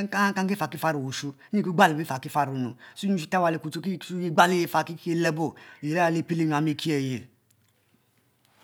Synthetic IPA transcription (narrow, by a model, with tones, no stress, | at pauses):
ka˦ka˦ki˦fa˨ki˦fa˦ɾu˨wu˨ʃu˦i˦ki˦ɡ͡ba˦li˨bi˦fa˨ki˦fa˦ɾu˨nṵ˨su˦ɲu˦˨ʃi˨ta˦wa˨le˨ku˨tu˦ki˦u˦i˦ɡ͡ba˦li˦je˨fa˨ki˦ke˦lɛ˦bo˦˨e˨ɾa˦a˨le˨pi˦li˦ɲ˨a˨mi˨ki˦ɛ˨je˨l